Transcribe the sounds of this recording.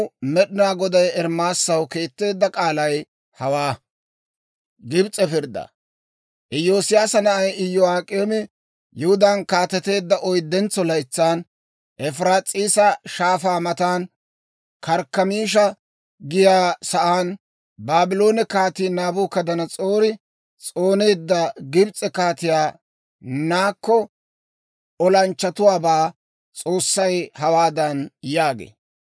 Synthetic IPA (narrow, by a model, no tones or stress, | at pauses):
mɛɗɪnaːɡɔd̪ɐjɛɾmaːsːɐwke̞ːt̪ːe̞ːd̪ːɐkʼaːlɐj | hɐwaː | ɡɪbt͡sʼɛpɪɾd̪ɐ̰ | ʔɛjoːsɪjaːsɐnɐʔɐjɪjːɔaːkʼeːmɪ | jɪhʊd̪aːnkaːt̪ɛt̪e̞ːd̪ːɐʔɔjd̪ːɛnt͡sːɔlɐjt͡sːaːn | ʔɛfɾaːt͡sʼiːsɐʃaːfaːmɐt̪aːn | kɐɾkːɐmiːʃ̬ɐ | ɡɪjaːsɐʔaːn | baːbɪlo̞ːnɛkaːt̪iːnaːbuːkɐd̪ɐnɐt͡sʼoːɾɪ | t͡sʼoːne̞ːd̪ːɐɡɪbt͡sʼɛkaːt̪ɪjaː | naːkːɔ | ɔlɐnt͡ʃːɐt̪ʊwaːbaː | t͡sʼo̞ːsːɐjhɐwaːd̪ɐnjaːɡḛː